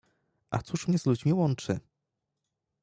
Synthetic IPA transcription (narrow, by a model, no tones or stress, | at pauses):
ʔa̰t̪suʂmɲɛzlud͡ʑmʲiwɔnt͡ʂɘ